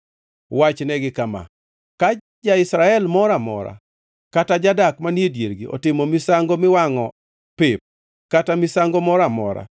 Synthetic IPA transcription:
wat͡ʃnɛɡɪkama̰ | ka | d͡ʒaɪsɾaɛlmɔɾamɔ̰ɾa̰ | katad͡ʒadakmanjedjḛɾɡiʔɔ̰tɪmomisaŋɡomɪwaŋɔ | pɪp̚ | katamisaŋɡomɔɾamɔ̰ɾa̰

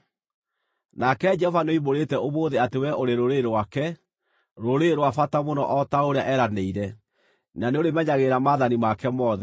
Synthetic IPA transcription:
nakɛd͡ʒɛhɔvanoimoɾetɛomoːðeatewɛʔoɾeɾoɾeɾwakɛ | ɾoɾeɾwafatamonɔ̰ʔɔtaoɾeaʔɛɾaneiɾɛ | naneoɾemɛɲaɣeɾamaðanimakɛmɔðɛ

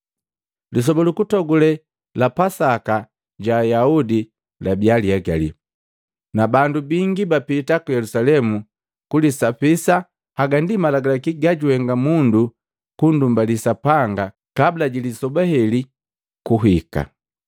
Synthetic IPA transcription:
lis̬ɔbalukutɔɡulɛ | lapasaka | ɟaːjaudi | labialiaɡalḭ | nabandubiŋɡibapitakujɛlusalɛmu | kulisapisa | haɡandimalaɡalakiɡaɟuhɛŋɡamundu | kundumbalisapaŋɡa | kablaɟilisɔbahɛli | kuɦika̰

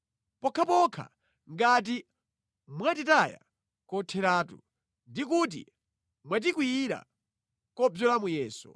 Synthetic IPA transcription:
pɔkʰapɔkʰa̰ | ŋɡat̬i | mwatitaja̰ | kɔtʰɛɾaːtṵ | ndikut̬ḭ | mwat̬ikwiɾa̰ | kɔbjɔlamujɛːsṵ

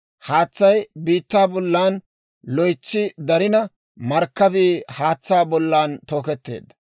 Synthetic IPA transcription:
haːt͡sːɐjbiːt̪ːaːbɔlːaːn | lɔjt͡ʃːɪd̪ɐɾɪnɐ | mɐɾkːɐbiːhaːt͡sːaːbɔlːaːnt̪o̞ːkɛt̪ːe̞̰ːd̪ɐ

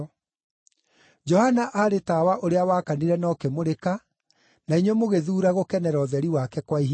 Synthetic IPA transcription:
d͡ʒɔhanaʔaɾetawaʔoɾeawaːkaniɾɛnɔːkemoɾeka | naiɲwɔmoɣeðuːɾaɣokɛnɛɾɔːðɛɾiwakɛkwaiɦ

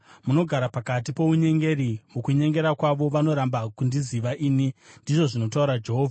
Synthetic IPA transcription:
muno̞ɡʱaɾapakat̬ipo̞uɲe̞ŋɡe̞ɾimukuɲe̞ŋɡe̞ɾakwaʋo̞ʋano̞ɾambakundiziʋaʔiːnindiʐo̞ʐino̞tauɾad͡ʒe̞ɦo̞ːvʱa

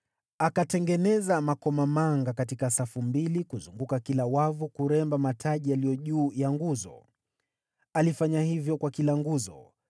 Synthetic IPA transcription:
akatɛŋɡɛnɛzamakɔmamaŋɡakatikasafumbilikuzuŋɡukakilawavukuɾɛmbamatʰaʄialijɔʄuːjaŋɡuzɔ̰ | alifaɲahivjɔkwakilaŋɡuzɔ̰

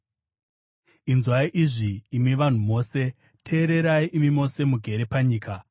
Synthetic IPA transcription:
inzwaiʔiʐiːmiʋan̤umo̞ːse̞ | tʰe̞ːɾe̞ɾaiʔimimo̞se̞muɡʱe̞ɾe̞paɲiːka

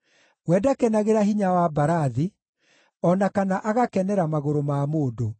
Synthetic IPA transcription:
wɛdakɛnaɣeɾaɦiɲawabaɾaði | ɔnakanaʔaɣakɛnɛɾamaɣoɾomamoːdo

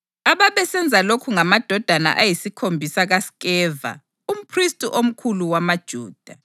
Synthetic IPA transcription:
aβaβɛsɛnd͡zʱalokʰuŋamad̥ʱɔd̥ʱana̰ʔajisikʰombʱisaɣaskʼɛːva̰ | um̩pʰristʼuʔom̩kʰuluwamad̥ʒ̥ʱuːd̥ʱa

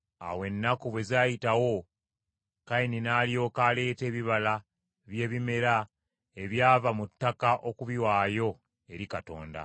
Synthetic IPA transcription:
a̰we̞nːakoβwe̞zaːjitawo̞ | kaininaːlijo̞ːkaːle̞ːte̞ːβiβala | βje̞ːβime̞ɾa | e̞βjaːvamutːakaʔo̞kuβiwaːjo̞ | e̞ɾikato̞̰ːnda̰

